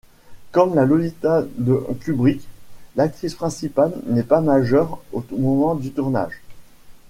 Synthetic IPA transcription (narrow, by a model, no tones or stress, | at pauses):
kɔmlalɔlit̪ad̪əkʲybʁiklak̚t̪χispχɛ̃sipalnɛpamaʒœʁomɔmɑ̃d̪yt̪uʁna̰ːʒ